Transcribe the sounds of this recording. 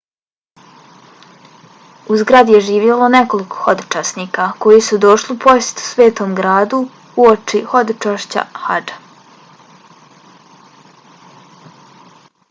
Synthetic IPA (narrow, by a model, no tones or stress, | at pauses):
uzɡɾad̪ije̞ʒiːʋjelo̞ne̞ko̞liko̥xo̞d̪o̥t͡ʃaːsniːkako̞jisud̪o̞ʃliupʰo̞se̥t̪u̥sʋe̞ːt̪o̞mɡɾaːd̪u | uot͡ʃixo̞d̪ot͡ʃaːʃt͡ɕa̰xa̰d͡ʒḁ